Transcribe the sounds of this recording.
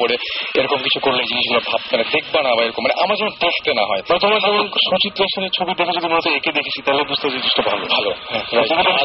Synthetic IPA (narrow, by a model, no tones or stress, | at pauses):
poɾeeɾɔkomkit͡ɕʰukoɾlejd͡ʑiniʃɡulobʱabmaned̪ek̚ʰbanabaeɾɔkomːaneʔamaɾd͡ʑɛmont̪ɾoʃʈ̪enaɦɔemanet̪omaɾd͡ʑɔmonʃut͡ɕit̪ːɾoeʃeneɾt͡ɕʰobiɾd̪ekʰad͡ʑod̪imoɔt̪oeked̪ekʰet͡ɕʰit̪aɦelebud͡ʑʱt̪ed͡ʑed̪iʃʈobʱalo̰bʱalohɛ̃ɾaj̪okeo